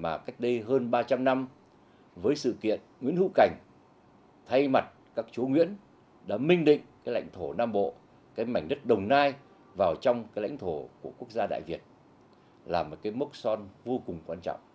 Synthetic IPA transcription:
maː˨˩ka˦˥jk̟̚ɗə˧jɦəː˧nɓaː˧t͡ɕa˧mna˧m | vəː˨˦jsɨ̰˧˨kḭ˧˨ənŋḭ˧˥ənhɨ̰˧˥ka˨˩jŋ̟ | t̪ʰa˧jma˨˩t̚kaː˦˥k̚t͡ɕu˨˦ŋwḭ˧˥ən | ɗa̰ː˧˥mï˧ŋ̟ɗḭ̈˧˨ŋ̟kaː˨˦jla̰˧˥jŋ̟t̪ʰo˧˩naː˧mɓo̰˧˨ | kaː˨˦jma˧˩jŋ̟ɗə˦˥t̚ɗə˨˩wŋ͡mnaː˧j | vaː˨˩wt͡ɕɔ˧wŋ͡mkaː˨˦jla̰˧˥jŋ̟t̪ʰo˧˩ku˧˩əku˦˥ək̚zaː˧ɗa̰ː˧˨jvi˨˩ət̚ | laː˨˩mo˨˩kaː˨˦jmə˦˥k̚sɔ˧nvo˧kʊ˨˩ŋ͡mkwaː˧nt͡ɕɔ̰˧˨wŋ͡m

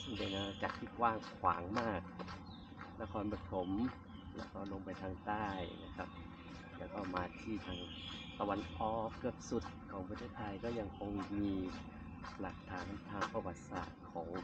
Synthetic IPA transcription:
sɯ˥˩ŋpa˧jnaː˧ka˨˧˩t̪̚k̪ʰi˧˥˩t̪̚waː˥˩ŋkʰwa̰ː˩˦ŋmaː˥˩k̚ | na˧kʰɔː˧nba˧t̪ʰo˩˦m | lɛ̰˧˥wkɔː˥˩lo˧mpa˧jt̪ʰaː˧ŋt̪aː˥˩jna˧kʰa˦˧˥p̚ | lɛː˧˥wkɔː˥˩maː˧t̪ʰiː˧˥˩t̪ʰaː˧ŋ | t̪a˧wa˧nʔɔː˨˩kːɯ˧˩əp̚su˨˧˩t̪̚kʰɔː˩˦pʰa˧t̪ʰeː˥˩t̪ʰːa˧jkɔː˥˩ja˧ŋkʰo˧ŋmiː˧ | la˨˩k̚t̪ʰaː˨˩˦nt̪ʰaː˧ŋpʰa˧wa˨˧˩t̪̚sa̰ː˨˩t̪̚kʰɔː˩˦ŋ

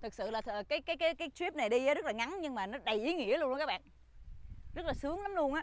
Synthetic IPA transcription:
t̪ʰɨ˨˩k̚sɨ̰˧˨laː˨˩˨kaː˨˦jkaː˨˦jkaː˨˦jkaː˨˦jt̪wi˦˥p̚na˨˩jɗi˧zə˨˦zə˦˥laː˨˩ŋa˨˦nɲɨ˧ŋmaː˨˩nɔ˨˦ɗa˨˩jʔi˨˦ŋḭ˧˥əln˧kaː˦˥kɓ̰ːn | zə˦˥t̚laː˨˩sɨ˨˦əŋla˨˦mlu˧ənʔaː˨˦

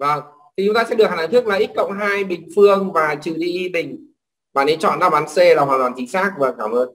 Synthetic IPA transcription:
və˧˩ŋt̪ʰi˨˩t͡ɕʊ˨˦ŋ͡mt̪aː˧sɛ̰˧˥ɨ˨˩k̚ha˨˩naː˨ŋt̪ɨ˦˥k̚laː˨˩ʔi˦˥t̚kə̰˧˨wŋ͡mɦaː˧jɓï˨˩ŋ̟fɨ˧əŋvaː˨˩t͡ɕɨ̰˧˨˩ɗi˧ʔi˧ɓï˨˩ŋ̟ | maː˨˩ne˨˧˦nt͡ɕɔ̰˧˨nzaː˨˧˥ɓaː˨˦nse˧laː˨˩ɦwaː˨˩t̪waː˨˩nt͡ɕï˨˦ŋ̟saː˦˥k̚vaː˨˩kaː˧˩mʔəː˧n

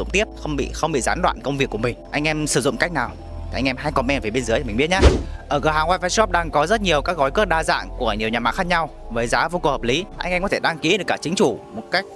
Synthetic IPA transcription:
ʊ̰˧˨ŋ͡mt̪i˦˥əp̚xə˧wŋ͡mɓḭ˧˨xə˧wŋ͡mɓḭ˧˨zaː˨˦nɗwa̰ː˧˨nkə˧wŋ͡mvi˨˩əkːu˧˩əmï˨˩ŋ̟ʔa˧jŋ̟ʔɛ˧msɨ˧˩zʊ̰˧˨ŋ͡mka˦˥jk̟̚naː˨˩wʰ | i˨˩ʔa˧ŋ̟ʔɛ˧mɦaː˧jkɔ˧˩mɛ˧nveː˨˩ɓe˧nzɨ˨˦jt̪ʰːi̟˨˩ɓi˦˥əɲaː˦ʔəː˧˩ɣəː˧˩ɦaː˨˦ŋwaː˧jva˧˩sɔ˦˥p̚ɗaː˧ŋkɔ˨˦zə˦˥t̚ɲi˨˩əwkaː˦˥k̚ɣɔ˨˦jkɨ˦˥ək̚ɗaː˧za̰ː˧˨ŋku˧˩əɲi˨˩əwɲaː˨˩ma̰ː˧˨xaː˦˥k̚ɲa˧w | vəː˨˦jzaː˨˦vo˧ko˨˩hə˨˩p̚li˨˦ʔa̰˧jŋʔŋ͡mkɔ˨˦t̪ʰe˧˩ɗaː˧ŋki˨˦ɗɨ˨˩əkːaː˧˩t͡ɕï˨˦ŋ̟fu˧˩mo˨˩t̚ka˦˥jk̚

